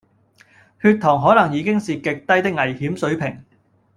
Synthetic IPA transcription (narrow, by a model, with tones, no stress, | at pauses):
hyː˧t̚t̪ʰɔː˨˩ŋɦɔː˨˥nɐ˨˩ŋjiː˨˧kɪ˥ŋsiː˨kɪ˨k̚t̪ɐ˥jt̪ɪ˥k̚ŋɐ˨˩jhiː˨˥msɵ˨˥ɥpʰɪ˨˩ŋ